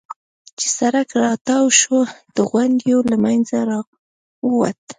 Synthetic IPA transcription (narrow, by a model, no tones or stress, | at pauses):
t͡ʃe̥saɾakɾɑt̪ɑwʃod̪̥əɣwand̪jolamajnzaɾɑ | wəwat̪